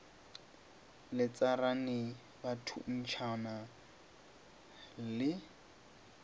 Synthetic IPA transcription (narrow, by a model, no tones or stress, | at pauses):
lɪt͡saranɪ | batʰṵn̩t͡ʃʰana | lɪ